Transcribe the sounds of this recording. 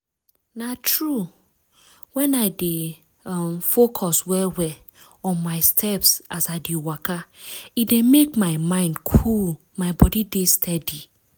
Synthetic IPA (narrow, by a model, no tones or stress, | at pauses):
natʰɹu | wɛ̃naɪde | mfokʰɔswɛlwɛ | ɔ̃nmaɪstʰɛpsasaɪdewakaidemekmaɪmãɪ̃ndkʰul | maɪbɔdidestʰɛdi